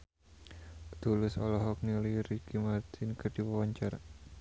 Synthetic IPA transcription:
t̪ulʊsɔ̰lɔɦɔk̚niliɾikimart̪ʰɪnkərdiwawaɲt͡ʃara

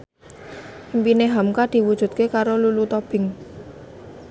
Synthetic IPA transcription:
impineɦamkad̪̥i̤wud̥ʒ̥ṳt̪̚kekaɾolulut̪ɔb̥ɪ̤ŋ

